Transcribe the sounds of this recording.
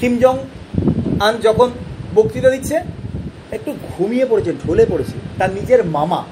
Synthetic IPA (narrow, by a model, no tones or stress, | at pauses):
ʃimd͡ʑɔŋ | and͡ʑɔkʰonbokt̪it̪ed̪itːɕʰe | ek̚ʈuɡʱumijepoɽet͡ɕʰeɖʱolepoɽet͡ɕʰḛt̪anid͡ʑeɾmama̰